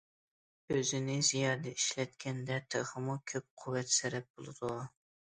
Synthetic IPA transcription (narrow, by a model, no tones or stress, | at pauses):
øzɪnɪzijɑːd̪ɛiʃlɛt̪kʲʰɛnd̪ɛt̪ʰeʁɨmukʲʰøp̚qʰuwːɛt̪sɛɾɛp̚bolˠɨd̪u